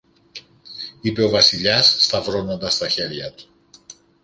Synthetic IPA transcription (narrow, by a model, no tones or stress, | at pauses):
ipe̞o̞vɐsiʎɐsːt̪ɐvɾo̞no̞nd̪ɐst̪ɐçe̞ɾʝɐt̪u̥